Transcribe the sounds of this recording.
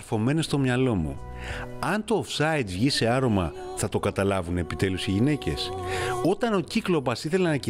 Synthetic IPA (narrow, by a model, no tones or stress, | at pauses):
fo̞me̞ne̞st̪o̞mɲɐlo̞mṵ | ɐnt̪o̞ːfsɐid̪vʝise̞ɐɾo̞mɐ | θɐt̪o̞kɐt̪ɐlɐvune̞pit̪e̞lusiʝine̞ce̞̰so̞t̪ɐno̞ciklo̞pɐsiθe̞lenɐnɐci